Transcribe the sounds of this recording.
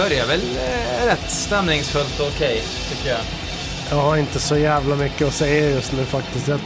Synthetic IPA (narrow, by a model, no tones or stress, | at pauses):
œɾjaʋɛlɾɛt̪ːst̪ɛmnɪŋsfɵlt̪ɔʊkʰɛɪ | t̪ʰʏkːəja | jɑːhaɾɪnt̪əsɔjæːvlamʏkːəɔsɛjajɵst̪nʉfak̚t̪ɪst̪ɛ